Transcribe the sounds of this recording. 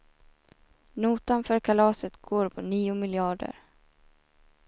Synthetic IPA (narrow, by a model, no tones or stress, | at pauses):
nuːt̪anfœːɾkʰalɑːsət̪ɡ̥oːɾpʰɔniːʊmɪljɑːɖə̰ɾ